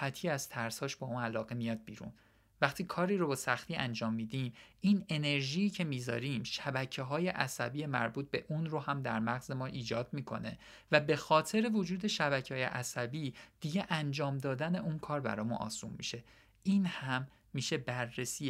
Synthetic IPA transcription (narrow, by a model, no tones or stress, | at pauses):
æt̪ʰiæz̥t̪ʰæɾshɒːʃbɒːuːnælɒːɣe̞mijɒːd̪̚bḭːɾṵːn | væχt̪ʰiːkʰɒːɾiːɾobesæxt̪iːʔænd͡ʒɒːmːiːd̪imine̞ne̞ɾʒiːcʰe̞miːzɒ̰ːɾimʃæbæcʰeɦɒːje̞ʔæsæbiːjemæ̰ɾbuːt̪̚be̞̰ʔunɾohæmd̪æ̰ɾmæɣze̞mɒːʔiːd͡ʒɒːd̪̥̚miːkʰo̞̰ne̞̰ | væbe̞xɒːt̪ʰe̞ɾevod͡ʒuːd̪e̞ʃæbæcʰehɒːjḛʔæsæbiːd̪̥iɟe̞ʔænd͡ʒɒːmd̪ɒːd̪æne̞ʔunkʰɒːɾbæ̰ɾɒːjmunʔɒ̰ːsṵːnmḭʃe̞ | ʔiːnhæmː | iːʃe̞bærːesiː